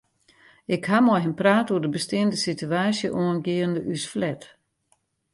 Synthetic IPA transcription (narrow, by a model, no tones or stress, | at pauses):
ɪkhamɔjɦənpraːtuədəbəstɪəndəsityaːsjəʔoənɡiəndəʔysflɛt